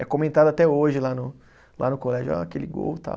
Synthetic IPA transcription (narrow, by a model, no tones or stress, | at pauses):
ɛkõmẽnt̪ad̪ʊat̪ɛoʒɪlanʊ | lʔa̰nʊkolɛʒʊa̰kelɪɡo̰wt̪a̰